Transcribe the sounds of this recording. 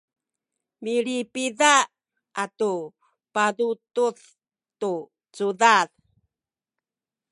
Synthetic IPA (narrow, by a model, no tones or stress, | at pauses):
miɾipiða | atu | padutuθ | tu | t͡sudað